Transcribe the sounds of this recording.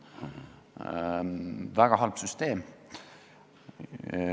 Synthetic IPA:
væɡ̥ɑɦɑlb̥syst̪eːm

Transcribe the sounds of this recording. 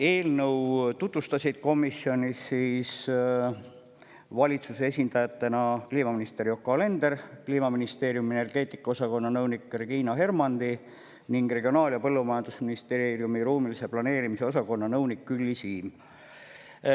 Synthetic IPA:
e̞ːlnɤwt̪ut̪vust̪ɑsʲid̪̥̚ko̞misio̞nisːiːs | vɑlʲit̪suseesʲind̪̥ɑjɑt̪ːe̞nɑkliːmɑminist̪e̞ɾjo̞kːɑle̞nd̪̥e̞rkliːmɑminist̪e̞ːɾjumiene̞rɡ̥e̞ːt̪ːˑikːɑosɑko̞nːɑnɤwnikːreɡ̥iːnɑɦe̞rmɑnd̪̥i | niŋɡ̥re̞ɡio̞nɑːliɑpɤ̞lːumɑjɑnd̪̥usminist̪erijumiɾuːmilise̞plɑne̞ːɾimiseo̞s̬ɑko̞nːɑnɤwnikːylʲːisiːm

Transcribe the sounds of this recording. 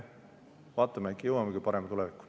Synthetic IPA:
vɑːt̪ːˑɑmeekːjɤwɑmeɡypɑɾɛmɑt̪ulɛvikːˑu̥

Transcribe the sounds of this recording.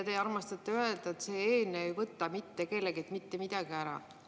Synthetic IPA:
t̪ejɑrmɑst̪ɑt̪ːˑeøe̞ld̪ɑet̪seːeːnːeejvɤt̪ːˑɑmit̪ːeke̞lːeɡet̪mit̪ːe̞mid̪̥ɑɡ̥iæɾɑ̰

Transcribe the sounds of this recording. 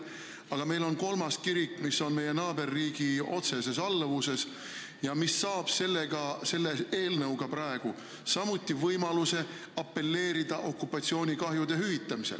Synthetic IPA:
ɑɡ̥ɑme̞jlo̞nko̞lmɑskiɾikˑːmisːo̞nme̞je̞nɑːbe̞rːiːɡ̥io̞̰t̪se̞se̞sɑlːvuse̞s | jɑmisːɑːb̥se̞lːeɡ̥ɑse̞lːee̞ːlnɤwɡɑpɾɑe̞ɡ̥u | sɑmut̪ˑːivɤjmɑluse̞ | ɑpːe̞lːe̞ːɾid̪̥ɑʔo̞kːˑupːˑɑt̪sio̞ːnʲikɑɦjud̪̥e̞ɦyvit̪ːˑɑmisḛl

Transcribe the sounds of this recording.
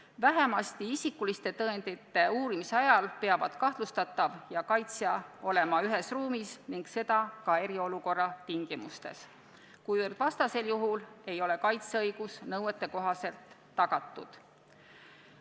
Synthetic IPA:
væɦe̞mɑst̪iisikːulist̪e̞t̪ɤend̪it̪ːe̞uːɾimiseɑjɑlpe̞ɑvɑd̪̥kɑht̪lust̪ɑt̪ːˑɑvjɑkɑjt̪sjɑo̞le̞mɑyɦe̞sruːmisniŋɡ̥se̞d̪̥ɑkɑe̞ɾio̞luko̞rːɑt̪iŋɡ̥imust̪e̞̰s | kujvɤrd̪̥vɑst̪ɑse̞ljuɦule̞jo̞le̞kɑjt̪seɤjɡ̥usnɤwet̪ːˑe̞ko̞ɦɑse̞lt̪ː | ɑɡ̥ɑt̪ːˑṵd̪̥

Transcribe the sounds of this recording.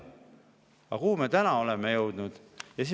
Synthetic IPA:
ɑkuhːme̞t̪ænɑo̞lemejɤwd̪̥nud̪̥jɑsi

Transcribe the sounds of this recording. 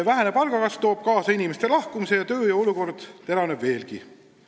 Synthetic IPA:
evæɦenepɑlɡɑkɑst̪o̞ːb̥̚kɑːsɑinime̞st̪e̞lɑhkumise̞jɑt̪ø̞ːjɑo̞luko̞rd̪̥t̪e̞lɑnebve̞ːlɡ̥i

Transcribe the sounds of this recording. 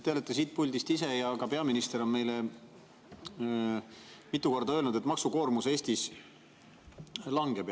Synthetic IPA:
t̪eɑlet̪ːˑɑs̬iːt̪̚pulʲd̪ist̪ise̞jɑkɑpe̞ɑminist̪e̞ɾo̞nme̞jle | mit̪ːˑuko̞rd̪ɑølnud̪e̞t̪mɑksuko̞ːrmuse̞ːsʲt̪is | lɑŋɡ̥ep

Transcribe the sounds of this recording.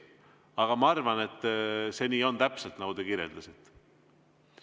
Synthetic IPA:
ɑɡ̥ɑmɑɑrvɑne̞t̪ːˑse̞niːo̞nt̪æpselt̪nɑɡud̪e̞kiɾjeld̪̥ɑsit̪ːˑ

